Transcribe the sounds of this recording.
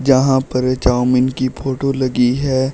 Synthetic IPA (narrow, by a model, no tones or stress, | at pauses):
d͡ʒɐɦãpɐɾt͡ʃaːmɪnkipʰoːʈolɐɡiɦɛː